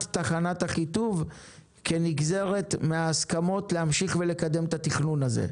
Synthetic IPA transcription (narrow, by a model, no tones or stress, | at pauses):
ttaχanathaχituv | keniɡze̞ʁe̞tmeaːskamo̞tlehamʃiχvele̞kad̪emt̪at̪iχnunazḛ